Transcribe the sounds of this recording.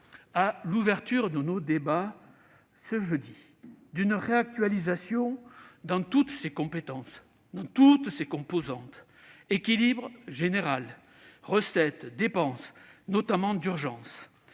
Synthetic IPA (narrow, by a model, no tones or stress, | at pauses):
aluvɛʁt̪yʁd̪ənod̪eba | səʒəd̪i | d̪ynʁeak̚t̪ɥalizasjɔ̃d̪ɑ̃t̪ut̪sekɔ̃pet̪ɑ̃s | d̪ɑ̃t̪ut̪sekɔ̃pozɑ̃t̪ | ekʲilibʁʒeneʁal | ʁəsɛt̪d̪epɑ̃snɔt̪amɑ̃d̪yʁʒɑ̃s